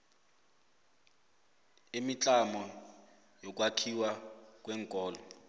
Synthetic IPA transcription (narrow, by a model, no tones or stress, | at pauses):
imit͡ɬʼamɔ | jɔk̬ʼwakʰiwak̬ʼwɛːŋkʼɔːlɔ